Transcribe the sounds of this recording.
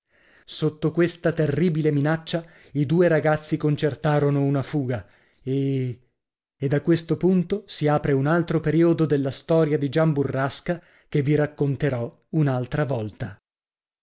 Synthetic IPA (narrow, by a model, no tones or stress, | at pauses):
sot̪ːokwest̪at̪erːiːbileminat͡ʃːa | id̪uːeɾaɡat̪sːikont͡ʃert̪aːɾonounafuːɡa | e | d̪akwest̪opunt̪osiaːpɾeunalt̪ɾopeɾiːod̪od̪elːast̪ɔːɾjad̪id͡ʒamburːaska | kevːiɾakːont̪eɾɔ | unalt̪ɾavɔlt̪a